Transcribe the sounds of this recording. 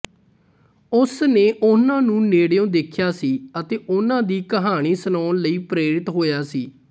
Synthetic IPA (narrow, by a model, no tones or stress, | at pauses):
ʊsneːʔʊnãːnũːneːɽjõːd̪ɪkʰjaːsiːət̪eːʔʊnãːd̪iːkəɦaːɽ̃iːsənɔːnləiːpɾeːɾɪt̪ɦoːjaːsiː